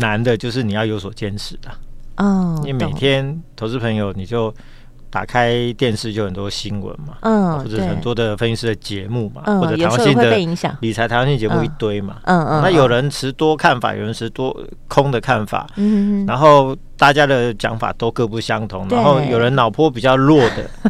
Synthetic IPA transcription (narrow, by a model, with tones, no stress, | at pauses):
na˧˦nd̪ə˨t͡ɕjo˥˧ʊʂ̬ɻ̩˥˩ni˨˩jɑ˥˩ʊjo˧˥ʊs̬wɔ˨˩t͡ɕjɛ˥˧nʂɻ̩˨˩d̪ə˨˩˧ | we˥˩me˨˩ɪt̪ʰjɛ˦nt̪ʰo˧˥ʊt͡sɹ̩˥˩pʰə˧˦ŋjo˨ʊni˨˩t͡ɕjo˥˩ʊ | t̪a̰˨˩kʰa˦ɪt̪jɛ˥˧nʂɻ̩˥˩t͡ɕjo˥˧ʊhxə˨˩nt̪wɔ˥ɕi˦˥nwə̰˧˦nma˨wɔ˥˩ʈ͡ʂə˨˩˥xə˨˩nt̪wɔ˦˥d̪ə˨fə˥ni˥nʂ̩˥˩d̪ə˩t͡ɕjɛ˧˦mu˥˩ma̰˨wɔ˥˩˨ə˨˩˨wa˥ŋɕi˥˧˥d̪əe˥˩i˧˥ŋɕjɑ̰˨˩ŋli˨˩t͡sʰa˧˥t̪a˨˧wŋɕi˥˧nə˩t͡ɕɛ˧˦mu˥˧i˥˩t̪we˥ɪma̰˨˧na˥˨jo˨˩ʊɻə˧˦nʈ͡ʂʰɻ̩˧˦t̪wɔ˥kʰa˥˩nfa̰˨˩jo̰˨˩ɻə˧˦nʈ͡ʂʰɻ̩˧˥t̪wɔ˥ | kʰʊ˥ŋd̪ə˨kʰa˥˩nfa̰˨˩a˧˥nxo˥˩ʊ | t̪a˥˩t͡ɕja˥d̪ə˨t͡ɕjɑ̰˧˥ŋfa̰˨˩t̪o˥ʊkɤ˥˧pu˥˩ɕjɑ˦ŋt̪ʰʊ˧˦ŋn˦˥xo˥˩ʊjo˨˩ɻə˧˦nnɑ˨˩ʊpʰwɔ˥˧pi˨˩t͡ɕjɑ˥˧ʊlwɔ˥˩d̪ə̰˩